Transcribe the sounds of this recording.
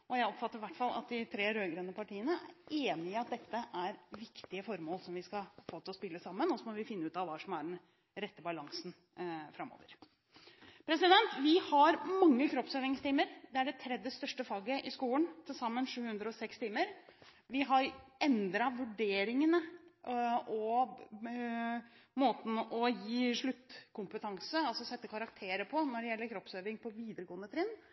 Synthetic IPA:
ɔjæɪɔpfɑt̪ːəɾʋæʈːfɑlːʔɑ̰t̪̚d̪ɪt̪ʰɾeːɾøːɡɾønːəpʰɑʈiːənəæ̰ɾeːnɪɪɑt̪̚d̪ɛt̪ːəʔæɾʋɪkt̪ɪəfɔɾmoːlsɔmʋɪskɑfoːt̪ʰɪlɔspɪlːəsɑmːənɔsɔmɔʋɪfɪnːəʉːt̪ɑʋʋɑːʂɔmæɖɛn | ɾɛt̪ːəbɑlɑŋsn | fɾɑmːo̰ːʋəɾ | pʰɾɛsɪd̪ɛnt̪ʋɪhɑɾmɑŋːəkʰɾɔpsøːɾɪŋst̪ʰiːməɾd̪ɛæɖɛt̪ʰɾɛd̪jəst̪œʂʈəfɑːɡəʔɪskuːənt̪ʰɪlsɑmːənʂʉːhʉnd̪ɾəɔsɛkst̪iːməɾʋɪɦɑɾɛnd̪ɾɑʋʉɖeːɾɪŋənə | ɔ | moːt̪n̩ɔjiːʂɭʉt̪ːkʰʊmpət̪ʰɑŋsəɑlsɔsɛt̪ːəkʰɑɾɑkt̪ʰeːɾəpʰɔnɔɖɛjɛlːəɾkʰɾɔpsøːʋɪŋpʰɔʋiːd̪əɾəɡoːnd̪ət̪ʰɾɪnː

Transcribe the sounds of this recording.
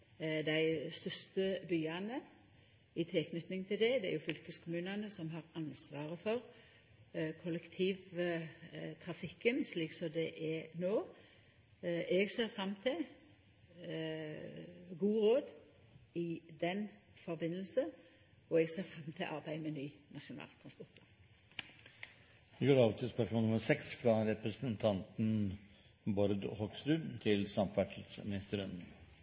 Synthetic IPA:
d̪æɪst̪œst̪əbyːɑnə | ɪt̪ʰɪlkʰnʏt̪nɪŋt̪ʰɪld̪ɛd̪ɛæ̰ʁjʊfʏlkəskʰʊmʉːnɑnəsɔmɦɑʁɑnsʋɑːʁəfɔʁ | kʰʊlɛkt̪ʰiːʋ | t̪ʰʁɑfɪkːənsliːksɔmd̪ɛʔɛnoː | ɛɡseːʁfɾɑmːt̪ʰɪl | ɡuːʁoːd̪ | ɪd̪ɛnfɔʁbɪnːəlsə | ɔɛːɡseːʁfʁɑmːt̪ʰɪlʔɑ̰ʁbæɪmɛnyːnɑʃʊnɑ̰ːlt̪ʰʁɑnspɔʁt̪ɔ | d̪ɪɡoːɾɑːʋt̪ʰɪlspœʂmɔlnʊməɾsɛksfɾɑɾɛpɾəsənt̪ʰɑnt̪n̩ | bɔɾd̪hɔɡst̪ʉːt̪ʰɪlsɑmfæʈʰiːd̪smɪnɪst̪əɾən

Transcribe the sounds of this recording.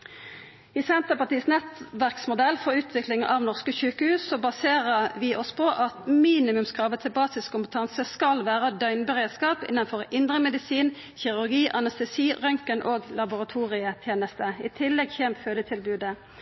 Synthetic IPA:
iːsɛnt̪əpɑt̪iːsnɛt̪ʋæʁksmʊd̪ɛlːfɔʁʉːt̪ʰʋɪklɪŋʔɑʋnɔʁskəçʉːkəhʉːsːɔbɑseːʁəʋɪʔɔspʰɔʔɑt̪miːnɪmʉmskʁɑːʋət̪ʰɪlbɑːsɪskʰʊmpət̪ʰɑnsəskɑlʋæːʁəd̪œʏnbəʁeːd̪skɑːpɪ̰nːənfɔʁɪnd̪ʁəmɛd̪ɪsiːn | çɪʁʉʁɡiːʔɑnɛst̪ɛsiːʁœŋkənʔoːɡlɑbʊʁɑt̪ʰuːʁɪət̪ʰjeːnəst̪əɪt̪ʰɪlːɛɡçɛmt̪høːd̪ət̪ʰɪlbʉːd̪ə

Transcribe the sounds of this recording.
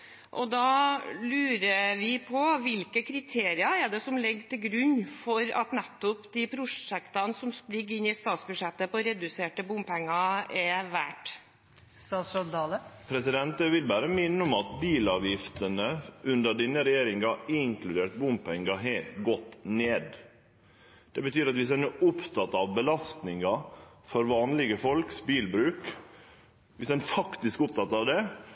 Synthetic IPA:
ʔɔ̰d̪ɑːlʉːɾəʋɪpʰɔʋɪlkəkʰɾɪt̪ʰeːɾɪɑɛɖɛsɔmlɪɡːt̪ɪlɡɾʉnːfɔɾɑ̰t̪nɛt̪ːʊpd̪ɪpʰɾʊʂɛkt̪ɑnsɔmsplɪɡːɪnːɪst̪ɑːt̪sbʉʂɛt̪ːəpɔɾɛd̪ʉseːʈəbʊmpʰɛŋːɑɛʋæːʈ | st̪ɑːt̪sɔd̪ɑːləpʰɾɛsɪd̪ɛnt̪əʋɪlbæːɾəmɪnːəʊmɑt̪biːlɑːʋjɪft̪ənəʔʉnd̪əɖɪnːəɾɛjeːɾɪŋɑɪŋklʉd̪eːʈ̪̚bʊmpʰɛŋːɑɦɛɡɔt̪ːneːd̪ | d̪̥ɛbət̪ʰyːɾɑt̪ʋɪsd̪ɛnɛʔʊpt̪ʰɑt̪ːɑʋbəlɑst̪nɪŋɑ | fɔɾʋɑːnlɪɡəfɔlksbiːlbɾʉːk | ʋɪsd̪ɛnfɑkt̪ɪskʊp̚t̪ʰɑt̪ɑʋd̪ɛ

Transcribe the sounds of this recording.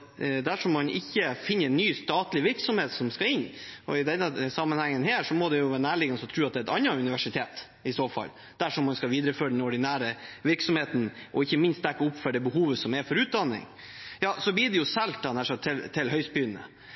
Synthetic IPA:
d̪æʂɔmːɑnʔɪçːəfɪnːəɾɛnːyːst̪ɑːt̪lɪʋɪɾksɔmheːt̪sɔmskɑɪnːɔ̰ɪd̪ɛnːəsɑmːənhæŋːənɦeːʂɔmɔd̪ɛjʊʋæːnæːɭɪːɡənsɔt̪ʰɾʉːɑt̪d̪ɛːɛt̪ɑnːɑʉnɪʋæʂɪt̪ʰeːt̪ | ɪsoːfɑ̰l | d̪̥æʂɔmːɑnskɑʋiːd̪ɾəføːɾəɛnɔɖɪnæːɾəʋɪɾksɔmheːt̪nʔɔɪçːəmɪnst̪d̪æɾkəʊpːfɔɖɛbəhuːʋəsɔmɛfɔɾʉːt̪̚d̪ɑnːɪ̰ŋ | jɑːsɔbliːɖɛjʊsɛlt̪̚d̪ɑnæʂɔt̪ʰɪlt̪ʰɪlɦœʏspbyːnə̰

